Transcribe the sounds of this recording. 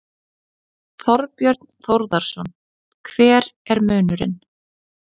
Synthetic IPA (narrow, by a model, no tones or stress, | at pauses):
θɔɾpjœɾt̪nθowɾðaɾ̥sɔn | kʰvɛːɾɛɾmœːnʏɾɪ̰n